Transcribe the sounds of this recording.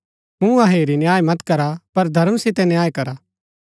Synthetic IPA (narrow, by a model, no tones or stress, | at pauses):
ɦũɐɦeːɾinjaːemɐt̪kɐɾapɐɾd̪ʱɐɾəmsɪt̪ɛnjaːjkɐɾaː